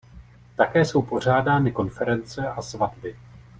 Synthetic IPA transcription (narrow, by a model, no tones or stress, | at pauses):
t̪akɛːso̞wpo̞r̝aːdaːnɪko̞nfɛɾɛnt͡sɛʔasvadbɪ